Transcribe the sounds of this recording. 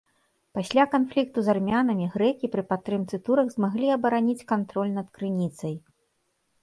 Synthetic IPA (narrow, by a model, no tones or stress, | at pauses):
pasʲlʲakanflʲik̚t̪uzarmʲanɐmʲiɣɾɛkʲipɾɨpat̪ːɾɨmt̪sɨt̪uɾɐɣzmaɣlʲiɐbɐɾanʲit͡sʲkant̪ɾɔlʲnɐt̪kɾɨnʲit̪sɐj